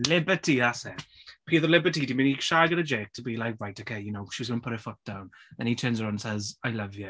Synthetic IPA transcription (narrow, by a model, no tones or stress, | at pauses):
lɪbətʰiasɛpʰiːðəlɪbətʰidimɪ̃niʃaɡənəd͡ʒeːk̚tʰəbilaɪkwajtokʰeɪjunoʊ̥ʃiwɔzɪə̃npʰʊɾəfʊt̚d̥ãwn | ðɛ̰̃nitʰɜːnzəɹãʊnnsɛzaɪlʌvjə